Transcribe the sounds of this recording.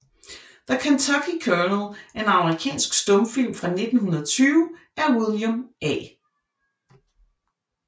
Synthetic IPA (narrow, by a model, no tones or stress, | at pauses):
ð̥əkʰænt͡sʰɑɡ̥ʰikʰœɐnəl̩ˠæɐe̝nɑ̈məʁikʰɛ̰ːnsɡ̥sd̥ɔ̽mfil̰mfʁɑ̈ne̝d̥n̩hunɐðˠt͡sʰyːʊə | æɐwilˠjəmɛ̰ː